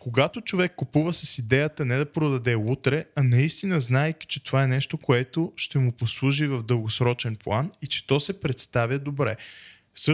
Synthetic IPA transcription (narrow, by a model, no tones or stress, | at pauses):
koɡat̪ot͡ʃovɛkːopuvəsəsid̪ɛjət̪ənɛd̪ɐpɾod̪ɐd̪ɛut̪ɾɛɐnɐist̪inəznaɛkʲi̥t͡ʃɛt̪ovaɛnɛʃt̪okoɛt̪oʃt̪ɛmʊposlˠuʒivɐvd̪əlˠɡosɾɔt͡ʃɛnplˠanit͡ʃɛ̥t̪ɔsɛpɾɛt̪st̪avʲjəd̪obɾɛ̰ | s